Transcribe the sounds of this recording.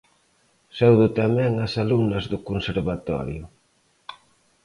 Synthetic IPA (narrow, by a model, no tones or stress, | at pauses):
sɛwðʊt̪amɛ̃ŋɐsalunɐzðʊkonseɾβat̪ɔ̰ɾjʊ